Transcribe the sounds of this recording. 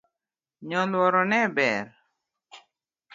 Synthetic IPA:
ɲɔlwɔɾɔnɛbɛɾ

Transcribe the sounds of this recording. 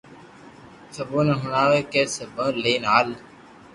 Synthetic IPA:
səbuːneɦʊnaːʋeːkeːsəbə̃ːleːnaːl

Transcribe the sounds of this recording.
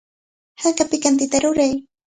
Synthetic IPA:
hakapɪkant̪ɪt̪aɾʊɾaj

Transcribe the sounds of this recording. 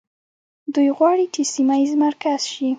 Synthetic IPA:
d̪ujɣwɑɽit͡ʃesimajizmaɾkaz̥ʃi

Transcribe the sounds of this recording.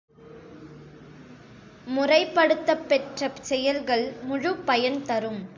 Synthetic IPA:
mʊrɐɪpːɐɽɯt̪ːɐpːɛʈrɐsɛjɐlɣɐɭmʊɻʊpːɐjɐnt̪ɐɾɯm

